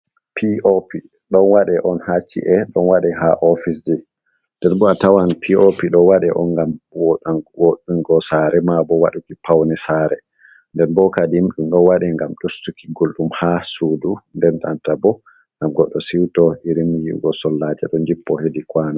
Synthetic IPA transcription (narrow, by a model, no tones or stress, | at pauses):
pʰiopi | ɗɔnwaɗɛʔɔnhat͡ʃːḭʔɛɗɔnwaɗɛɦaʔɔfisdi | ndɛnbɔatawanpʰiopiɗɔwaɗɛʔɔŋɡamwoɗanwoɗunɡɔsaɾɛmabɔwaɗukipawnɛsaɾɛ | ndɛnbɔkadimɗumɗɔwaɗɛŋɡamɗustukiɡolɗumhasudundɛna̰ntabɔ | ŋɡamɡɔɗːɔsiwtɔiɾimjiɡɔsɔlːad͡ʒɛ̰ɗɔnd͡ʒipːɔhedikwana